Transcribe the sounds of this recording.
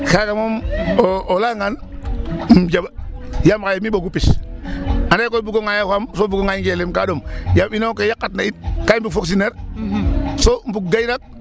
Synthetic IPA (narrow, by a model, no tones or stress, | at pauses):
kakamomoolaŋan | md͡ʒabjamkajmiboɡupis | andakobuɡoŋajahamsoːbuɡoŋajŋɡelimkadomjabinokejakːatnait̚kambukfoks̬ineɾ | som̩bukɡajnak̚